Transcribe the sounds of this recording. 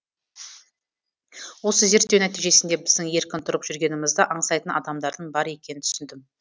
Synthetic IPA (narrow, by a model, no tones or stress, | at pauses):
wo̞səze̞ɾt̪ːewnæt̪ijʒe̞sɪnd̪e̞bɪzd̪ɪŋje̞ɾkʲɪnt̪ʰʊɾəpʒ̥ʏɾɡʲe̞nɪmɪzd̪əʔɑɴsɑjt̪ənɑ̰d̪ɑmd̪ɑɾd̪əɴbɑɾe̞kʲe̞nɪnt̪ʰʏ̥sɪnd̪ɪm